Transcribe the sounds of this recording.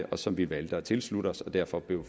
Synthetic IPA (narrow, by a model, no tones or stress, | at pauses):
əʔɒ̽sɒ̽mʋiʋæld̥əɒt͡sʰe̝lslud̥əɒ̽sɒ̽d̥æɐfɒ̽b̥le̝ʊ